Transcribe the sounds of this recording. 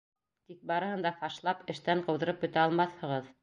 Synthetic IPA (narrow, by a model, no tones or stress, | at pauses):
t̪ik̚bɑɾɤ̆hɤ̆nd̪ɑfɑʃlˠɑpɘ̆ʃt̪æɴqɤ̆wðɤ̆ɾɤp̚ɵ̆t̪æɑlˠmɑθhɤ̆ʁɤð